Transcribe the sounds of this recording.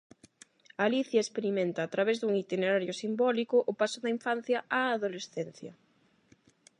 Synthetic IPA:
aliθjaespeɾimẽnt̪aːt̪ɾaβ̞ezðuŋit̪ineɾaɾjosimbɔlikʊʔʊpasʊðɐiɱfan̟θjɐaːðolesθen̟θjɐ

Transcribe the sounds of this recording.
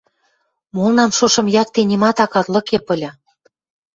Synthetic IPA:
molnɑmʃoʃɤ̆mjɑk̚t̪enʲimɑt̪ɑkɑt̪lɤ̆kepə̆lʲɑ

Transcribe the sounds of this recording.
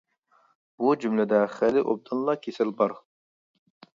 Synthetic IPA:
b̥ud͡ʒymlɛd̪ɛχɛlɪʔob̚d̪ɨnlˠɑkʲʰesɪlbɑɾ

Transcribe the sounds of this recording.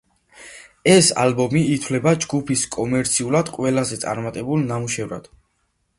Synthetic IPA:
ɛsa̰lbɔmiːt̪ʰwlɛbad͡ʒɡupʰiskʼɔmɛɾt̪sʰiulad̪̥qʼwɛlazɛt̪sʼa̰ɾmat̪ʼɛbulˠnamuʃɛvɾa̰d̪̥

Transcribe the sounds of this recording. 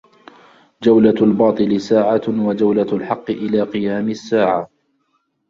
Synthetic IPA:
d͡ʒawlalbɑːt̪ˤɨlɪsaːʕawad͡ʒawlalħɑqːɨʔɪlaːqɨjaːmɪsːaːʕa

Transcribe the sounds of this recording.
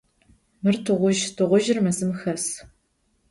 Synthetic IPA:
mɨrtʰɨʁʷʊʒtʰɨʁʷʊʒɪrmɐzɨmxɐs

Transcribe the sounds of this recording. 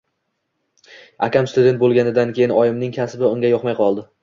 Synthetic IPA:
akʲamst̪ʊd̪ʲet̪̚bolˠɡʲanɪd̪ankʲe̞jɪnɒjɪmnɪŋkʲʰasɪbɪʊŋɡʲajɒqmajqʰɒlˠd̪ɪ

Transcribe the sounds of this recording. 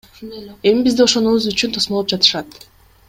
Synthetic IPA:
e̞mibizd̪io̞ʃo̞nuβuzyt͡ʃynt̪ʰosmolˠopd͡ʒɑt̪ɯ̥ʃɑt̪

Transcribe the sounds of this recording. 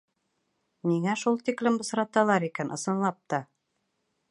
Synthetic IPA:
miŋæʃulˠt̪iklɘmbɤ̆sɾɑt̪ɑlˠɑɾikænʔɤ̆sɤ̆nlˠɑp̚t̪ɑ

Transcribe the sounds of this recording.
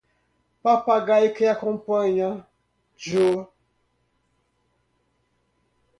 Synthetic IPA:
papaɡaikəjakɔ̃mpəɲa | d͡ʒo

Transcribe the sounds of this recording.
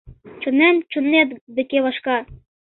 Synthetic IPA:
t͡ʃə̆nænt͡ʃə̆nːet̪b̪ɘ̆keβɑʃkɑ

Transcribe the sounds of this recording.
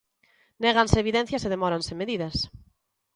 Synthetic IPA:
nɛɣanseːβiðɛn̟θjɐseðemɔɾansemeðiðɐs

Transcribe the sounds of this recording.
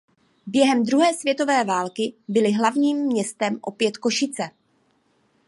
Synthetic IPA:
bjɛɦɛmd̪ɾuɦɛːsvjɛt̪o̞vɛːvaːlkɪbɪlɪɦlavɲiːmːɲɛst̪ɛmʔo̞pjɛt̪ko̞ʃɪt͡sɛ

